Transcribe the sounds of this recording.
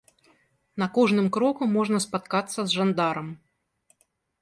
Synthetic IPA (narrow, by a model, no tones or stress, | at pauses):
nɐkɔʐnɨmkɾɔkumɔʐnɐspat̪kat̪sːɐzʐand̪aɾɐm